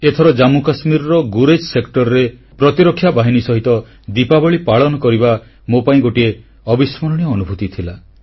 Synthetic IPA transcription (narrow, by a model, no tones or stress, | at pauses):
et̪ʰɔɾɔd͡ʒamukasmiɾɔɾɔɡuɾed͡ʒsekʈɔɾɔɾe | pɾɔt̪iɾɔkʰːjabaɦinisɔɦit̪ɔ | d̪ipabɔɭipaɭɔnɔkɔɾiba | mopaĩɡoʈie | ɔbismɔɾɔɽ̃ijɔːnubʱut̪it̪ʰila